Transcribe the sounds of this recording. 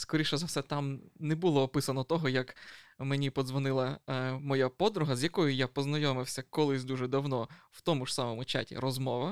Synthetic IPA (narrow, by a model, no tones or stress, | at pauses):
skɔɾʲiʃɛzɐwsɛt̪ɑmnɛbʊlˠɔːpɪsɐnɔt̪ɔɦɔjɐkmenʲipɔzʋɔnɪlˠɐmɔjapɔd̪ɾʊɦɐzʲjɐkɔjʊjapɔznɐjɔmɪwsʲɐkɔlˠɪsʲd̪uʒɛd̪ɐwnɔw̥t̪ɔmʊʐsamɔmʊt͡ʃa̰tʲḭɾɔzmɔʋɐ